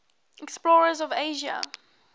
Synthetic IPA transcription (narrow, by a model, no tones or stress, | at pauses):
ɛksplɔːɹəzɔveɪʒa̰